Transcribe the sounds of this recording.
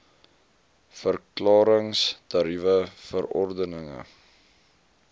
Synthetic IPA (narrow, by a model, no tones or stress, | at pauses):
fərklɑːɾəŋstɐɾivəfəɾɔrdənəŋə̰